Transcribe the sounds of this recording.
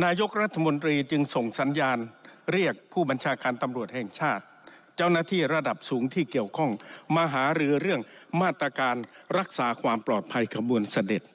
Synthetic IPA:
naː˧jo˦˥k̚ɾa˦˥t̪ʰːa˧mo˧nt̪ɾiː˧t͡ɕɯ˧ŋso˨˩ŋsa˩˦njaː˧nɾi˥˩ək̚pʰuː˥˩ba˧nt͡ɕʰaː˧kaː˧nt̪a˧mɾu˨˩ət̪̚hɛː˨˩ŋt͡ɕʰaː˥˩t̪̚ | t͡ɕa˥˩wnaː˥˩t̪ʰiː˥˩ɾa˧da˨˩p̚suː˩˦ŋt̪ʰiː˥˩ki˨˩əwkʰɔ˥˩ŋmaː˧ɦaː˩˦ɾɯː˧ɾɯ˥˩əŋmaː˥˩t̪ɾa˧kaː˧nɾa˦˥k̚saː˩˦kʰwaː˧mplɔː˨˩t̪̚pʰa˧jkʰa˧bu˧ənsa˧de˨˩t̪̚

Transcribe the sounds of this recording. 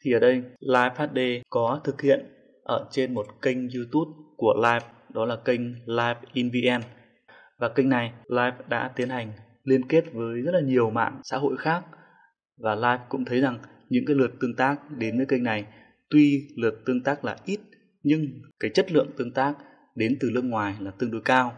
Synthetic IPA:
t̪ʰi˨˩ʔəː˨˩ɗə˧jlaː˧jf̚haː˦˥t̚ɗe˧kɔ˨˦t̪ʰɨ˨˩k̚hḭ˧˨ən | ʔəː˧˩t͡ɕe˧nmo˨˩t̚kə˧ŋ̟zu˧t̪u˦˥p̚ku˧˩əlaː˧jf̚ | ɗɔ˨˦laː˨˩kə˧jŋ̟laː˧jfʔi˧nvi˧ʔɛ˧n | vaː˨˩kə˧jŋ̟na˨˩jlaː˧˩jp̚ɗa̰ː˧˥t̪i˨˦ənha˨˩jŋ̟ | li˧ənke˦˥t̚vəː˨˦jzə˦˥t̚laː˨˩ɲi˨˩əwma̰ː˧˨nsa̰ː˧˥ɦo̰˧˨jxaː˦˥k̚ | vaː˨˩laː˧jp̚kʊ̰˧˥ŋ͡mt̪ʰə˨˦jza˨˩ŋ | ɲɨ̰˧˥ŋkaː˨˦jlɨ˨˩ət̚t̪ɨ˧əŋt̪aː˦˥k̚ɗe˨˦nvəː˨˦jkə˧ŋ̟na˨˩j | t̪wi˧lɨ˨˩ət̚t̪ɨ˧əŋt̪aː˦˥k̚laː˨˩ʔi˦˥t̚ | ɲɨ˧ŋkaː˨˦jt͡ɕə˦˥t̚lɨ̰˧˨əŋt̪ɨ˧əŋt̪aː˦˥k̚ | ɗe˨˦nt̪ɨ˨˩lɨ˦˧ək̚ŋwaː˨˩jlaː˨˩t̪ɨ˧əŋɗo˨˦jkaː˧w

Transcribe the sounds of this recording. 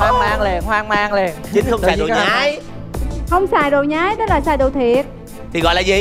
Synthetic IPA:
waː˧ŋmaː˧ŋle˨˩nhwaː˧ŋmaː˧ŋle˨˩nt͡ɕï˨˦ŋxə˧wŋ͡msa˨˩o̰˨a˨˦j | hə˧wŋ͡msaː˨˩jzo˨˩jɲaː˨˦jɗɔ˨˦laː˨˩saː˧˩jɗo˨˩t̪ʰi˨˩ət̚ | t̪ʰi˨˩ɣɔ̰˧˨jlaː˨˩zi˨˩

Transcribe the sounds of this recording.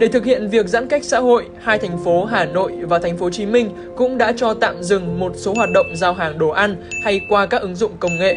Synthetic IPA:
ɗe˧˩t̪ʰɨ˨˩k̚hḭ˧˨ənvi˨˩ək̚za̰˧˥nka˦˥jk̟̚sa̰ː˧˥ɦho̰˧˨jhaː˧jt̪ʰɛ˨˩ŋ̟fo˨˦ɦaː˨˩no̰˧˨jvaː˨˩t̪ʰa˨˩ŋ̟fo˨˦t͡ɕi˨˦mï˧ŋ̟ | kʊ̰˧˥ŋ͡mɗa̰ː˧˥t͡ɕɔ˧t̪a̰ː˧˨mzɨ˨˩ŋmo˨˩t̚so˨˦ɦwaː˨˩t̚ɗə̰˧˨wŋ͡mzaː˧wɦaː˨˩ŋɗo˨˩ʔa˧nha˧jkwaː˧kaː˦˥k̚ʔɨ˨˦ŋzʊ̰˧˨ŋ͡mkə˧wŋ͡mŋḛ˧˨ʔ

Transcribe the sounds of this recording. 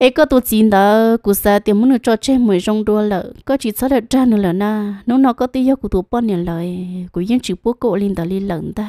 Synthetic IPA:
e˧ka˦t̪u˧t͡si˧nd̪a˨˧ku˧˨sa˧t̪i˧mũ˦nɨ̃˧t͡ʃo˧t͡ʃẽ˦mũ˧ẽ˨ʐo˧ŋɾu˧a˧la˧˨ka˦t͡ʃi˧t͡sa˦ɾa˧ʈ͡ʂa˦nɨ̃˧la˨nã˧nũ˦nã˧ko˦t̪i˦˧˦jo˦ku˧t̪u˧˨pa˦ñ˧˨la˨e˧ku˨j̃t͡ʃi˧pʷo˦ko˦ʔli˧nd̪a˨˧li˧la˧˨˧nd̪a˦

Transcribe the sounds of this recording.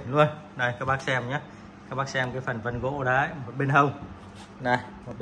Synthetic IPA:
nlu˧ənna˨˩jkaː˦˥k̚ɓaː˦˥k̚sɛ˧mɲa˨˦ | kaː˦˥k̚ɓaː˦˥k̚sɛ˧mkaː˨˦jfaː˨˩nvə˧nɣo̰˧˥ɗa˨˦˧mo˨˩ɓe˧nɦə˧wŋ͡m | na˨˩jmo˨˩

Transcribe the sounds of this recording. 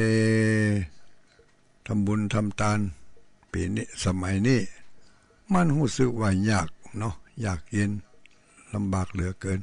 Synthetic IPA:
eː˧ | t̪ʰa˧˥˨mbu˧˨nt̪ʰa˧˨mt̪aː˧˥˨n | pḭː˨˦n˧sa˧ma˨˦jniː˧˥˨ | ma˧˥˨nhuː˧˩˨sɯ˧˦k̚waː˧˩ɲaː˧˩k̚nɔ˧jaː˨˩k̚je˧˥˨n | la˧mbaː˨˩k̚lɯ˨˦kɤː˨˧˨n

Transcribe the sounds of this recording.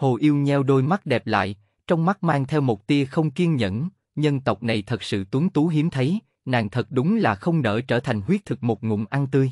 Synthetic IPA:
ho˨˩ʔi˧əwɲɛ˧wɗo˧jma˦˥t̚ɗɛ˨˩p̚la̰ː˧˨j | t͡ɕɔ˧wŋ͡mma˦˥t̚maː˧ŋt̪ʰɛ˧wmo˨˩t̚t̪i˧əxə˧wŋ͡mki˧ənɲə̰˧˨n | ɲə˧ŋt̪ə˨˩wk͡p̚na˨˩jt̪ʰə˨˩t̚sɨ̰˧˨t̪wu˨˦ŋt̪u˨˦ɦi˨˦əmt̪ʰə˨˦j | na̰ː˨˩ŋt̪ʰə˨˩t̚ɗʊ˨˦ŋ͡mlaː˨˩xə˧wŋ͡mnə̰ː˧˩t͡ɕəː˧˩t̪ʰa˨˩jŋ̟hwi˦˥ət̪ʰɨ˨˩k̚mo˨˩t̚ŋʊ̰˧˩˨ŋ͡mʔa˧nt̪ɨ˧j

